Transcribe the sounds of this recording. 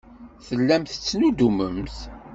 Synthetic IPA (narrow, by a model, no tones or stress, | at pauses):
θəlːæmθət͡sːnud̪uməmθ